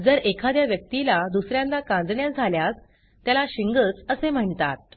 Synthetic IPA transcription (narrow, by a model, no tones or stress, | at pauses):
d͡zəɾekʰad̪jaʋjək̚t̪ilad̪usɾjãnlakãnd͡z̪ɳjad͡zʱaljas | t̪jalaɕiŋɡət͡səsem̤əɳt̪a̰t̪̚